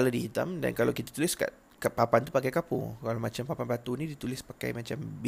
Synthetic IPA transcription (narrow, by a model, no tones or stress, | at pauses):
aladihit̪a̰mda̰nkalawkit̪ḁt̪ulɪska̰ʔ | kapapant̪upakajkapṵŋkalamat͡ʃampapanbat̪unidit̪ulɪspaka̰jmat͡ʃamb